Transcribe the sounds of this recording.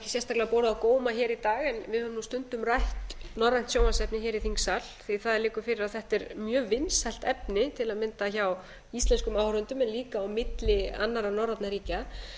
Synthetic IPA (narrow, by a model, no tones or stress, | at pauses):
cɪsjɛnst̪aklɪapoːwɾðawkoːwmaçɛːɾit̪aːɣɛnvɪðhœnust̪ʏnt̪ʏmrajht̪nɔrːajn̥t̪sjoːwmansɛpnɪçɛːɾiθiŋsalθiθaðlɪːkʏɾfɪɾɪɾaðθɛht̪ɛɾmjœːvɪnshɛjl̥t̪ɛpnɪt̪ʰɪlaðmɪnt̪açaw | ist̪lɛnskʏmawhɾʏnt̪ʏmɛnliːkaːwmɪt̪lɪa̰nːaɾawnɔrːat̪naɾiːca